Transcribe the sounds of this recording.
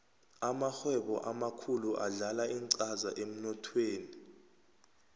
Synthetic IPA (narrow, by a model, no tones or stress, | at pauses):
amaxwɛɓɔʔamakʰuluʔaɮalaiŋǀazaʔem̩nɔtʰweːni